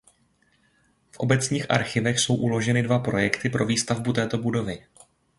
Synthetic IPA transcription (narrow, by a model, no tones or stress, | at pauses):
fʔo̞bɛt͡sɲiːxʔa̰ɾxɪvɛxso̞wʔulo̞ʒɛnɪdvapɾo̞jɛkt̪ɪpɾo̞viːst̪avbut̪ɛːt̪o̞budo̞vɪ